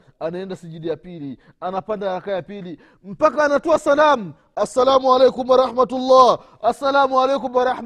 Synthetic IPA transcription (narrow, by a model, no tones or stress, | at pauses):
anaɛndasiʄidijapili | anapandajakajapili | m̩pakaːnatuasalam̩ | asːalamualejkumwaɾˤɑħmatulːa | asːalamualejkumwaɾˤɑħm